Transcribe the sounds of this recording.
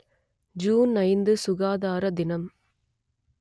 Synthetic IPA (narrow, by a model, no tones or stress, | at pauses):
d͡ʒuːnɐɪnd̪ɯsʊɣaːðaːɾɐd̪ɪnɐm